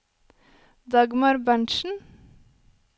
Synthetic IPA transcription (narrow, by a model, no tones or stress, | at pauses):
d̪ɑɡmɑɾbæɳʃn̩